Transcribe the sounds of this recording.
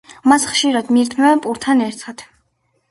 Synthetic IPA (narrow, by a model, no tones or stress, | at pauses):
masχʃiɾad̪miɾt̪ʰnɛɛpʼuɾt̪ʰanɛɾt̪ʰad̪̥